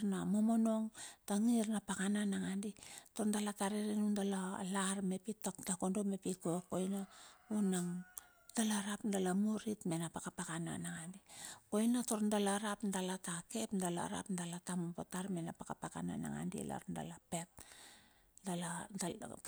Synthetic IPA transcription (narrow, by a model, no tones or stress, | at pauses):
namo̞mo̞no̞ŋtaŋirnapakananaŋandito̞ɾndalataɾeɾenundalalaɾme̞pitatako̞ndo̞me̞pikoko̞jnaunaŋ | d̥alaɾapndalamuɾitme̞napakapakana̰naŋandiko̞jnato̞ɾndalaɾapndalatake̞pndala̰ɾa̰pndalatamopotaɾme̞napakapaka̰na̰na̰ŋa̰ndḭla̰ɾnda̰lape̞t̚ | dalada